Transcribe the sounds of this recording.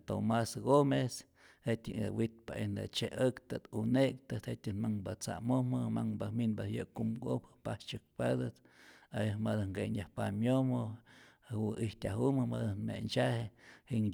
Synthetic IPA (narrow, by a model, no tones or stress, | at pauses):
t̪o̰masɡomes | het̪ʲɨ̰ŋawit̪̚paʔend̪a̰t͡ʃeʔəkt̪at̪unek̚t̪ɨt̪het̪ʲɨnmaŋbat͡sa̰momɨmaŋbaminbajəkumɡo̰pɨ̥past͡ʃɨk̚pad̪ɨt̪ajmad̪aŋɡenjahpamjomɨ | wuʔiht̪ʲaɦumɨmad̪anmḛnt͡ʃahehiʔŋʲ